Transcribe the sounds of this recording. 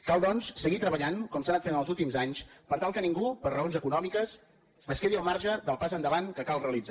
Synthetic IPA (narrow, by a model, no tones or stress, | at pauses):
kalˠd̪ɔnssəɣit̪ɾəβəʎaŋkɔmsanat̪fenəlˠzulˠt̪imzaɲspəɾt̪alˠkəniŋɡupərəonzəkunɔmikəs | əskeɾiəlˠmaɾʒəðəlˠpazənd̪əβaŋkəkalreəlid͡za